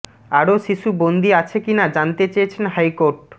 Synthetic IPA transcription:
aɾoʃiʃubond̪iat͡ɕʰekinad͡ʑant̪et͡ɕejet͡ɕʰenɦajkoɾʈ

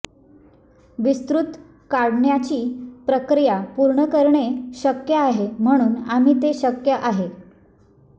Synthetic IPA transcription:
ʋist̪ɾut̪ | kaɽɳjat͡ɕiːpɾəkɾijapuɾɳəkəɾɳeɕəkjəaɦem̤əɽ̃uːnam̤iːt̪eɕəkjəʔaɦe

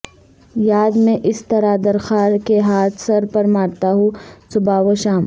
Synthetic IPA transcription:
jaːd̪mẽʔɪst̪ɐɾad̪ɐɾxaːɾkeɦaːt̪ʰsɐɾpɐɾmaːɾt̪aɦosʊbaːʋoʃaːm

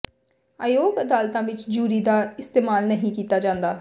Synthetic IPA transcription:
aːjoːɡəd̪aːlt̪ãːʋɪt͡ʃd͡ʒuːɾiːd̪aːɪst̪eːmaːlnəɦĩːkiːt̪aːd͡ʒãːnd̪aː

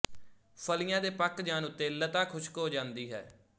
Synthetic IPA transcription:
pʰəlɪjãːd̪eːpəkd͡ʒaːnʊt̪ːeːlət̪aːkʰʊʃkoːd͡ʒãːnd̪iːɦɛ̰ː

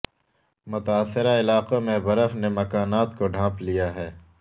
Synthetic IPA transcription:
mʊt̪aːsːɪɾaɪlaːqomẽbɐɾəfnemɐkaːnaːt̪koɖʱãːplijaɦɛː

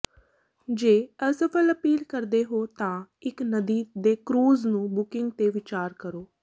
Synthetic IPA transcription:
d͡ʒeːəsəpʰələpiːlkəɾd̪eːɦoːt̪ãːɪknəd̪iːd̪eːkɾuːznũːbʊkɪ̃ŋɡ̚t̪eːʋɪt͡ʃaːɾkəɾoː

